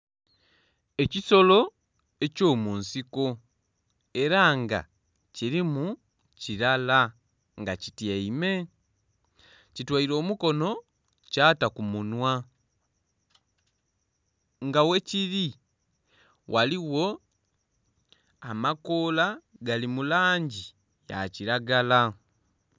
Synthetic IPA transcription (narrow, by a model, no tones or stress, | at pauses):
e̞ciso̞lo̞ | e̞co̞ːmuːnsiko | e̞ɾaŋɡa̰ | ciɾimu | ciɾala | ŋɡacitjeime̞ | citwaiɾo̞ːmuko̞no̞ | caːtakumunwa | ŋɡawe̞ciɾi | wʔaliwo̞ | amakoːlaɡalimulaːɲɟi | ja̰ciɾaɡala